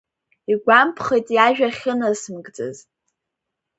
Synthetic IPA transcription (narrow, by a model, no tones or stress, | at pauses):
iɡʷampʰχejtʼjaʒᶣaχʲənasɨmɡʼd͡zʼɨ̰z